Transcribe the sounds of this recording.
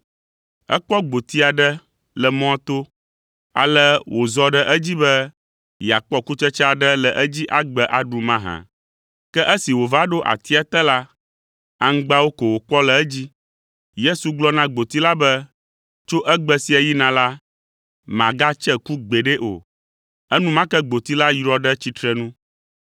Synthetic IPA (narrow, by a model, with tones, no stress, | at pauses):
ə̰˦k͡pɔ˦ɡ͡bo˨t̪i˦a˨ɖə˦ | lə˨mɔ̃˦t̪o˦ | a̰˨lə˦wʔo˨zɔ˦ɖə˦ʔə˦d͡ʑi˦bə˦ | ja˨k͡pɔ˦ku˦t͡ʃə˦t͡ʃɛ˦a˨ɖə˦lə˨ʔə˦d͡ʑi˦ʔa˨ɡ͡bə˨ʔa˨ɖu˨mã˦ɦã̰˨ | kɛ˦ʔə˦si˨wo˨va˦ɖo˦ʔa̰˨t̪i˦a˦t̪ɛ˦la˦ | a˨ŋ̩˦ɡ͡ba˦wo˦ko˨wo˨k͡pɔ˦lɛ˨ɛ˦d͡ʑi˦ | je˦su˨ɡ͡blɔ˦nã˦ɡ͡bo˨t̪i˦la˦bɛ˦ | t͡ʃo˦ʔɛ˦ɡ͡bɛ˦si˦ɛ˨ji˦nã˨la˦ | mã˨ɡa˦t͡ʃɛ˦ku˦ɡ͡be˨ɖe˦ʔo̰˨ | ə˦nũ˦mã˦kɛ˦ɡ͡bo˨t̪i˦la˦jɾɔ˦ɖə˦t͡ɕi˦t̪ɾɛ˦nũ˦